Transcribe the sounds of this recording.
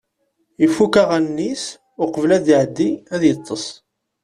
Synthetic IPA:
ifːukaʁænːis | ʊqəvlæd̪iʕəd̪ːiæðjət̪ˤːəsˤ

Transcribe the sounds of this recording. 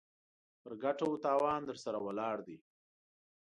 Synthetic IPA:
pəɾɡaʈot̪ɑːwɑːnd̪əɾsaɾawalɑːɽd̪i

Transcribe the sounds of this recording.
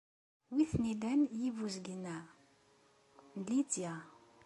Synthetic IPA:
wiθnilænjivuzɡnːæ | nlit͡sːja

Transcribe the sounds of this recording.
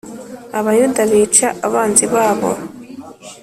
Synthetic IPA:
aβajudaβiːt͡ʃaʔaβaːnziβaːβo̞̰

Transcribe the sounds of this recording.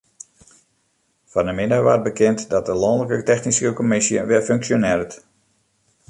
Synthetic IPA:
fanəmɪnəʋart̚bəkɪntdɔt̚dəlɔndələkətɛxnisəkəkɔmɪsjə̰ʋɪføŋksjonɪrət

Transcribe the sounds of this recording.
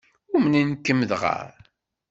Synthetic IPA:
ʊmninkːəmːəðʁa̰ɾ

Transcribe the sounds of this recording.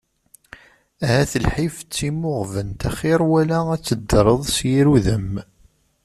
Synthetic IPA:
æhæθəlħift͡sːimːʊʁvənt̪æχɪɾˤwælææt͡sːəd̪ːɾˤəðˤsjiɾuðəm

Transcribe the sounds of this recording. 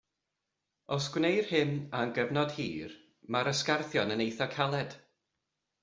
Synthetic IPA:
ɔsɡ̥wnejr̥hɪnaənɡəvnɔd̥hiːr | maɾəskarθjɔnənejθɔkʰalˠɛd̥

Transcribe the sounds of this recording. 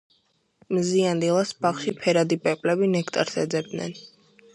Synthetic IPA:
mziand̪ilˠasbaχʃipʰɛɾad̪ipʼɛqʼlɛbinɛkʰt̪ʼa̰ɾsɛd̪zɛbd̪nɛ̰n

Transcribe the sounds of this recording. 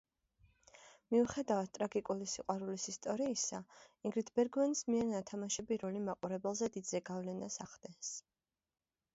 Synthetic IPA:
miuχɛd̪avat̪̚t̪ʼɾaɡikʼulisiqʼwaɾulisist̪ʼɔɾiːsaiŋɡɾit̪ʰbɛɾɡvɛnsmiɛɾnat̪ʰamaʃɛbiɾɔlimaqʼuɾɛbɛlˠzɛd̪id̪zɛɡavlɛnasaχd̪̥ɛns

